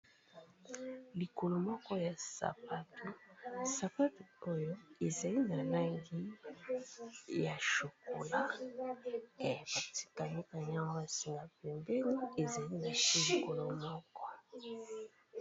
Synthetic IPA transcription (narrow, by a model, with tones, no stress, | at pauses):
li˨ko˨lo˨mɔ˦kɔ˦ja˨sa̰˨pa˦tʰo˨sa˨pa˦to˨o˦jo˦e˨za˨li˦na˨la˦ŋɡi˦ | ja˨ʃo˨ko˨la˦ | e˨b̥a˨ti̥˨ka˨mi˦ka˨ɲa˦ŋɡa˦a˨si˨ŋɡa˨pɛ˨mbɛ˦ni˦e˨za˨li˦na˨ʃi˦li˨ko˨lo˨mɔ˦kɔ˦